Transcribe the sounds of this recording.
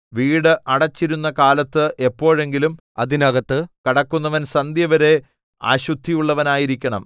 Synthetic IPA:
ʋiːɽɨʔɐɽɐt͡ɕːiɾunːɐkaːlɐt̪ːɨʔe̞pːo̞ːɻe̞ŋɡilum | ɐðinɐɣɐt̪ːɨkɐɽɐkːunːɐʋɐnsɐnd̪jɐʋɐɾe̞ | a̰ːɕut̪ːijuɭːɐʋɐnaːjiɾikʲːɐɳɐm

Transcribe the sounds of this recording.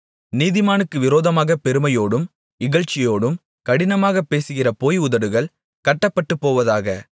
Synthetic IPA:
niːðɪmaːnɯkːɯʋɪɾoːðɐmaːɣɐpɛɾɯmɐjoːɽɯm | ɪɣɐɭt͡ʃːɪjoːɽɯm | kɐɽɪnɐmaːɣɐpːeːsɯɣɪrɐpoːjʊðɐɽɯɣɐɭ | kɐʈːɐpːɐʈːɯpːoːʋɐðaːɣɐ

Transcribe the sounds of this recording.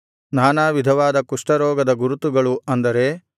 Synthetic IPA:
naːnaːʋid̪ʱɐʋaːd̪ɐkuʂʈɐɾɔːɡɐd̪ɐɡuɾut̪uɡɐɭuɐnd̪ɐɾe̞

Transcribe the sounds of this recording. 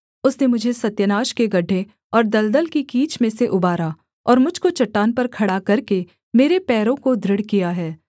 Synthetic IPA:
ʊsnemʊd͡ʒʱesɐt̪jənaːʃkeɡɐɖʱːe | ɔːɾd̪ɐld̪əlkikiːt͡ʃmẽseʔʊbaːɾa | ɔ̰ːɾmʊd͡ʒʱkot͡ʃɐʈːaːnpɐɾkʰɐɽakɐɾke | meːɾepɛːɾõkod̪ɾɪɽkijaɦɛː

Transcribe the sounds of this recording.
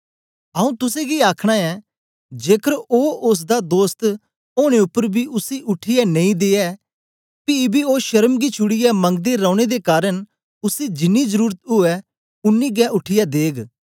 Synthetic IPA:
ɐũt̪ʊsẽɡiaːkʰɽ̃aɛ | d͡ʒeːkəɾoːʊs̬d̪ad̪oːst̪ | oːɽ̃eʊpːəɾbʱiʔʊsiʔʊʈʰɪjɛnɐ̃ĩd̪eːɛ | pibioːʃɐɾəmɡit͡ʃʰʊɽɪjɛmɐ̃ŋɡ̚d̪eɾaːʊɽ̃ed̪ekaːɾəñ | ʊsid͡ʒɪnːizəɾuːɾt̪ɦʊɛ | ʊnːiɡɛ̃ʔʊʈʰɪjad̪eːɡ

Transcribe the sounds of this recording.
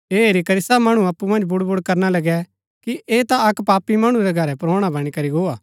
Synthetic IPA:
eːeːɾikɐɾɪsamɐɽ̃uɐpːumɐ̃nd͡ʒbʊɽbʊɽkɐɾnalɐɡɛ | kiʔeːt̪aɐkpaːpimɐɽ̃ũɾɛɡʱɐɾɛpɾoːɽ̃abɐɽ̃ikɐɾiɡoːaː

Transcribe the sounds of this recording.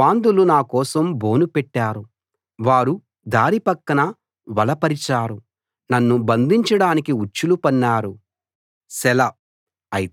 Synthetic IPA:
aːnd̪ulunaːkɔːsɐmboːnupɛʈːaːɾu | ʋaːɾu | d̪aːɾipɐkːɐnɐ | ʋɐlɐpɐɾit͡ʃaːɾu | nɐnːubɐnd̪iɲt͡ʃɐɽaːnikiut͡ʃːulupɐnːaːɾu | sɛlɐ | ɐj

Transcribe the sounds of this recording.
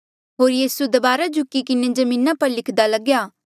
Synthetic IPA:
ɦoːɾjiːsud̪ɐbaːɾad͡ʒʱʊkːikɪned͡ʒɐmĩːnapɐɾlɪkʰd̪alɐɡjaː

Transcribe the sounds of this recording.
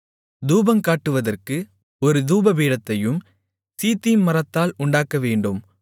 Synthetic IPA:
d̪uːbɐmkaːʈːɯʋɐðɐrkɯ | ɔɾɯd̪uːbɐbiːɽɐt̪ːɐjɯm | siːt̪ːimmɐɾɐt̪ːaːlʊɳɖaːkɐʋeːɳɖɯm

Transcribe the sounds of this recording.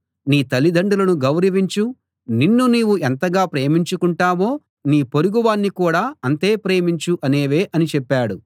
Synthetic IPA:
niːt̪ɐlːid̪ʱɐɳɖulɐnuɡɐwɾɐʋiɲt͡ʃu | ninːuniːʋuent̪ɐɡaːpɾeːmiɲt͡ʃukuɳʈaːʋo̞ː | niːpo̞ɾuɡuʋaːnːikuːɽaːɐnt̪e̞ːpɾe̞ːmiɲt͡ʃuʔɐne̞ːʋeːʔɐnit͡ʃɛpːaːɽu

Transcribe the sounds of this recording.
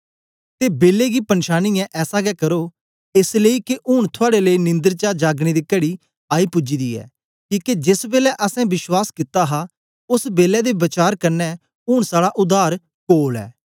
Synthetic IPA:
t̪eːbeːleːɡiːpənʃaːniːɛ̃ʔɛːsaːɡɛːkəɾoː | ɪsleiːkeʔʊːɽ̃t̪ʰʊaːɽeleinɪ̃nd̪əɾt͡ʃaːd͡ʒaːɡɽ̃iːd̪iːkəɽiː | aːiːpʊd͡ʒiːd̪iːɛ̰ː | kiːked͡ʒɪsbeːlɛʔəsɛ̃ːbɪʃwaːskɪt̪aːɦaː | ʊsbeːlɛːd̪eːbət͡ʃaːɾkəɾnɛː | ʊːɳ̃saːɽaʔʊd̪aːɾ | koːlɛ̰ː

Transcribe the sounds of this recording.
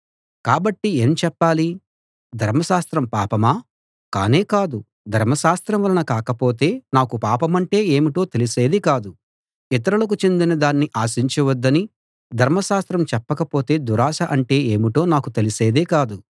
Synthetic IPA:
kaːbɐʈːie̞ːmt͡ʃɛpːaːli | d̪ʱɐɾmɐʃaːst̪ɾɐmpaːpɐmaː | ka̰ːne̞ːkaːd̪u | d̪ʱɐɾmɐʃaːst̪ɾɐmʋɐlɐnɐkaːkɐpo̞ːt̪e̞ːnaːkupaːpɐmɐɳʈe̞ːeːmiʈo̞ːt̪e̞lise̞ːd̪ikaːd̪u | it̪̬ɐɾulɐkut͡ʃe̞nd̪inɐd̪aːnːiʔaːʃiɲt͡ʃiʋɐd̪ːɐni | d̪ʱɐɾmɐʃaːst̪ɾɐmt͡ʃɛpːɐkɐpo̞ːt̪e̞ːd̪uɾaːʃɐʔɐɳʈe̞ːeːmiʈo̞ːnaːkut̪e̞lise̞ːd̪eːkaːd̪u

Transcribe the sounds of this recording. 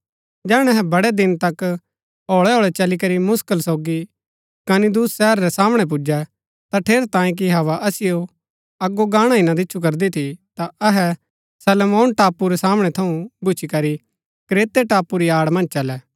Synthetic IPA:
d͡ʒɛːɽ̃ɛ̃ɐɦɛbɐɽɛd̪ɪnt̪ɐk | oːɭɛɦoːɭɛt͡ʃɐlikɐɾimʊskəlsoːɡi | kɐnid̪uːsːɛːɾɾɛsaːmɽ̃ɛp̬ʊd͡ʒɛ | t̪aʈʰeːɾt̪ãːẽk̬iɦɐʋaʔɐsɪjo | ɐɡːoɡãːɽ̃ãɪnãd̪ɪːt͡ʃʰuk̬ɐɾd̪it̪ʰit̪aɐɦɛ | sɐlmoːnʈaːpuɾɛsaːmɽ̃ɛt̪ʰɐũbʊt͡ʃʰikɐɾi | kɾeːt̪eʈaːpːuɾiaːɽmɐ̃nd͡ʒt͡ʃɐlɛː

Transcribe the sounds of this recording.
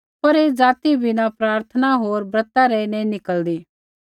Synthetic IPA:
pɐɾeːd͡zaːt̪ibʱinapɾaːɾt̪ʰənaɦoːɾbɾət̪aɾɛinɛ̃nɪkəld̪iː

